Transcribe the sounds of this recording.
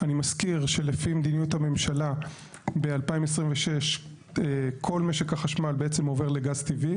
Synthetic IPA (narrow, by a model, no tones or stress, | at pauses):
animaskiʁʃe̞lefimed̪inijuthame̞mʃala | bealpaimes̬ʁimveʃe̞ʃ | ekʰo̞lmeʃekhaχaʃmalbeet͡semo̞ve̞ʁle̞ɡazt̪ivi